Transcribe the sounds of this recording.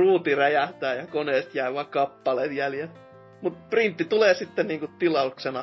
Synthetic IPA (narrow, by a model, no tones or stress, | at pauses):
ruːt̪iræjæht̪æːjɑkoneːst̪jæiʋɑkɑpːɑleːt̪jæljel | mut̪print̪ːit̪uleːsit̪ːenniːŋkutt̪ilɑuksenɑ